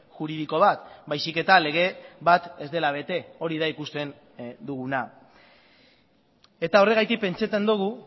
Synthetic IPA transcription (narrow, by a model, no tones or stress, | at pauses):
ʝuɾiðiko̞βat̪bajsike̞t̪ale̞ɣ̞e̞βat̪e̞zd̪e̞laβ̞e̞t̪e̞o̞ɾiðaikust̪e̞n | d̪uɣuna | e̞t̪ao̞re̞ɣ̞ajt̪ik̚pe̞nt͡set̪end̪uɣ̞u